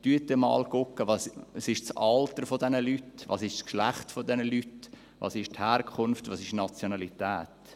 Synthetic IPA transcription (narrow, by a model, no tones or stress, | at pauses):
d̥yətːəmɑ̰ːlkʊkːəʋɑssɪʃt͡sɑltəɾfodɛnəlytʋɑ̰ːsɪʃskʃlæχtfodɛnəlyt | vɑ̰ːsɪʃthæːɾkʰʊnftvɑːsɪʃnɑt͡sjonɑlitɛːt